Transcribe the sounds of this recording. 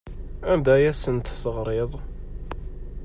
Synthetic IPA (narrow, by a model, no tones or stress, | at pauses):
æmd̪æjæsənt̪θəʁɾˤeðˤ